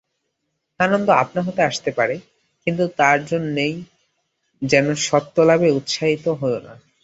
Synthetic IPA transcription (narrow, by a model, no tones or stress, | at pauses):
anond̪oapnaɦot̪eaʃt̪epaɾe | kint̪ut̪aɾd͡ʑonːej | d͡ʑɛnoʃɔt̪ːolabeut̪ʃaɦit̪oɦoona̰